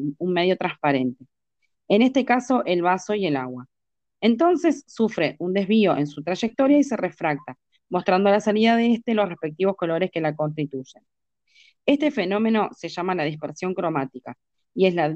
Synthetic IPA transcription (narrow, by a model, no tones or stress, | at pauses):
unme̞ðjo̞t̪ɾanspaɾe̞nt̪e̞ː | ne̞st̪e̞kaso̞ʔe̞lβaso̞ie̞laɣwa | ent̪o̞nse̞sːufɾe̞ʔund̪e̞zβ̞io̞ʔe̞nsut̪ɾaʒe̞k̚t̪o̞ɾjaise̞re̞fɾak̚t̪a | mo̞st̪ɾand̪olasaliðaðeest̪e̞losre̞hpe̞k̚t̪iβo̞sko̞lo̞ɾeske̞lako̞ns̬t̪it̪uʒen | e̞st̪e̞fe̞nõ̞mẽ̞no̞se̞ʒamalað̞ispeɾsjo̞ŋkɾo̞mat̪ika | ie̞sla